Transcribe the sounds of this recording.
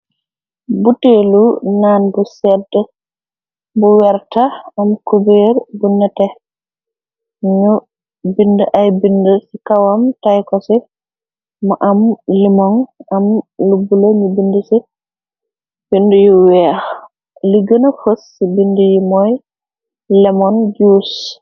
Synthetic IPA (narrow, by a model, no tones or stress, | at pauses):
butelunanbusɛdːɛ | buwɛɾtaːmkubeɾbunːatɛ | ɲu | bindɔʔajbindɔsikawamtajkɔsɛ | maʔamlimɔnamlubːulaɲubindusi | b̥indujuwɛh | liɡənafosːibindujumɔj | lɛmɔnd͡ʒus